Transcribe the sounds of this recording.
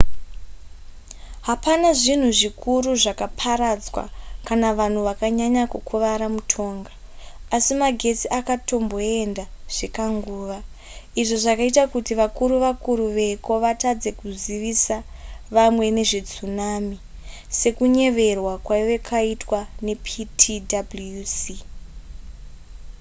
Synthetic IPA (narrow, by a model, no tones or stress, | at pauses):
ɦapanaʐin̤uʐikʰuɾuʐakapʰaɾad͡zwa̰kanaʋan̤uʋakaɲaɲakukʰuʋaɾamutʰo̞ːŋɡaː | simaɡʱe̞t͡siʔakato̞mbo̞e̞ndaʐ̥ekaŋɡuːʋa | iʐo̞ʐakaitakutiʋakuɾuʋakuɾuʋe̞ko̞ʋatad͡ze̞kuziʋisa | ʋamwe̞ne̞ʐid͡zunami | se̞kuɲe̞ʋe̞rwakwaʋe̞kʰaitwane̞pʰitʰidablusi